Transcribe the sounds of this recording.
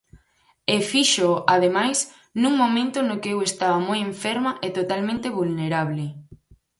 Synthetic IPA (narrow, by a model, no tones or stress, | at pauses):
efiʃoað̞emajs | nũŋmõmẽnt̪ʊnokeewest̪aβɐmojẽɱfɛɾmɐʔet̪ot̪almẽnt̪eβulneɾaβlɪ